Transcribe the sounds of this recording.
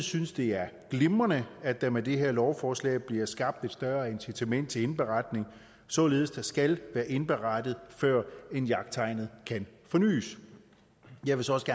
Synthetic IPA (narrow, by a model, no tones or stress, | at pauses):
synsd̥e̝æɐɡ̥le̝mɐnəæd̥æmæd̥e̝ɦeɐlɒʊfɒːslɛ̰ːb̥liɐsɡ̥ɑ̈b̥̚d̥e̝d̥sd̥ɶɐensit͡sʰæmen̰d̥t͡sʰe̝e̝nb̥e̝ʁɑ̈d̥ne̝ŋ | sɒ̽le̝ːð̞̩ˠsd̥ɑ̈sɡ̥ælʋæːɐʔe̝nb̥e̝ʁɑ̈d̥ð̩ˠfɶɐ̰e̝njɑ̈ɡ̥̚d̥̚t͡sʰɑ̈ɪnð̩ˠkʰænfɒ̽ny̰ːs | jɑ̈ɪʋesɒɒsəɡ̥æ